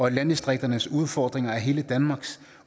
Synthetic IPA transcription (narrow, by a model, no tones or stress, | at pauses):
ɒ̽lænd̥isd̥ʁeɡ̥̚d̥ɐnəsuð̞ˠfɒːd̥ʁeŋɐæɦe̝ːləd̥ænmɑ̈ːɡ̥s